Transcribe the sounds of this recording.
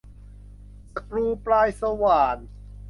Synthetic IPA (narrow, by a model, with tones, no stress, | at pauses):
kɾuː˧pɾaː˧jsa˧waː˨˩n